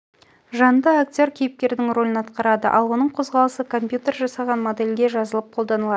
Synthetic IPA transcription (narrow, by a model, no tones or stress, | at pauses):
ʒɑnd̪əaktʲo̞rkʲʰejɪp̚kʲe̞ɾd̪ɪŋro̞lʲɪnɑt̪qɑɾɑd̪əʔɑ̰lˠwo̞nəɴqʰo̞zʁɑlˠəsəkʰo̞mpʲjut̪e̞rʒɑsɑʁɑnmod̪elʲɡ̪ʲe̞ʒɑzəlˠəp̚qʰo̞lˠd̪ɑnəlˠɑə